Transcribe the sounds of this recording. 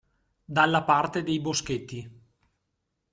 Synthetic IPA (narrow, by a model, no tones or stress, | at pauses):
d̪alːapart̪ed̪ejbosket̪ːi